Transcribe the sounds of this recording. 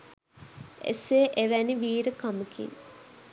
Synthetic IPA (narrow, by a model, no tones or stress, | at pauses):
ḛseʔeʋæniʋiːɾəkaməkḭŋ